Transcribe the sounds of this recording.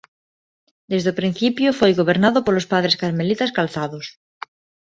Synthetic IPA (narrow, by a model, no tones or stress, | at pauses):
d̪ezðopɾin̟θipjofojɣoβ̞eɾnaðopolospað̞ɾeskaɾmelit̪askalθaðos